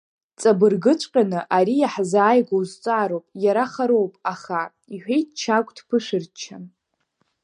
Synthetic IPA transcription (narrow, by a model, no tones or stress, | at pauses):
t͡sʼabɨrɡɨt͡ʃʷʼqʲʼanɨʔaɾijaħzaːjɡʷowzt͡sʼaːɾowpʼjaɾaχaɾo̞wpʼaχa | iħʷᶣejtʰt͡ʃʰakʷʼdʰpʰɨʂɨrt͡ʃʰan